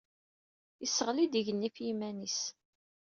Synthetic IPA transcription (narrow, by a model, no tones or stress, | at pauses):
isːəʁlid̪iʝənːifjimænis